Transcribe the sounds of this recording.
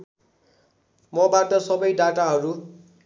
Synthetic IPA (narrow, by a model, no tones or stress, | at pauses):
mʌbaʈʌsʌbʌjɖaʈaɦʌɾu